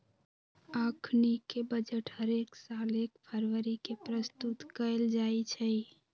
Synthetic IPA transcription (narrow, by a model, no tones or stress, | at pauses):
akʰnikebəd͡ʒəʈhəɾeksalekpʰəɾwəɾikepɾəst̪ut̪kəɪld͡ʒajt͡ʃʰə